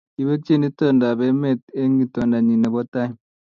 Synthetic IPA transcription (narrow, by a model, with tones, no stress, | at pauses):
i˨be˦t͡ʃi˦ni˦tɔ˦nda˨bɛ˨me˦˨t̚e˦ŋɡi˨tɔ˨nda˨ɲi˨nɛ˨bɔ˦ta˦i˦